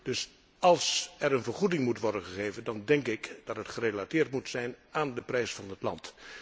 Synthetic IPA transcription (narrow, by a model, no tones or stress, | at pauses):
d̥ɵs | ɑlˠsɛɹənvəɹχudɪŋmutʋɔɹdənχəχejvəndɑndɛŋkɪkd̥ɑtɦətχərelatɪːrtmutsɛjnʔaːndəprɛjsfɑnɦətlɑ̰nt